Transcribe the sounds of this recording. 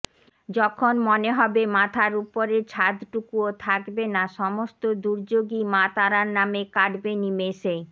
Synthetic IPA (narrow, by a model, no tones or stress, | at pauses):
d͡ʑɔkʰonmoneɦɔbemat̪ʰaɾupoɾet͡ɕʰad̪ʈukuot̪ʰakbenaʃɔmost̪od̪uɾd͡ʑoɡimat̪aɾaɾnamekaɖbenimeʃe